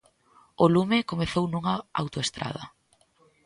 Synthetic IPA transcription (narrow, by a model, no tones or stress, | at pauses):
olumekomeθownuŋɐa̰wt̪oest̪ɾa̰ð̞ɐ̰